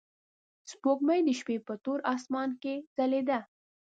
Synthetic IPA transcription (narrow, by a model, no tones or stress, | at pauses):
spokmajd̪əʃpepət̪oɾʔɑsmɑnkez̥aled̪a